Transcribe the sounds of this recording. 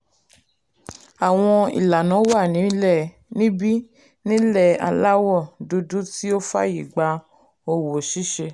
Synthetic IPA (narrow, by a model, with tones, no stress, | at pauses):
a˨w̃ɔ̃˧ḭ˨la˨nã˨˦wa˦˨nĩ˨˦lɛ˦˨ | nĩ˦bi˦ | nĩ˦lɛ˦˨a̰˧la˦wɔ˦˨du˧du˦ti˦o˦fa̰˦ji˨ɡ͡ba˧ | o˧wo˨ʃi˦ʃe˧